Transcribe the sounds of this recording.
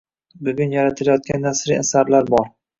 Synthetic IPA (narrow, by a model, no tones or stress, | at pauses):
bʊɡʲʊnjaɾat̪ʰɪlajɒt̪̚kʲʰanːasɾḭasaɾlaɾbɒɾ